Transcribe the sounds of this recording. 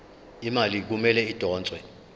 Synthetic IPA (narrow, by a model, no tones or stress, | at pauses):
imalik̬umɛlɛid̥ʱɔːnt͡sʼwɛ